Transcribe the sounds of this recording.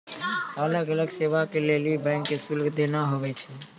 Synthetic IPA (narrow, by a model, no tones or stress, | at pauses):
ələɡələɡseʋakelelibɛ̃ɪŋkːesulɡd̪enaɦobɛt͡ʃʰɛ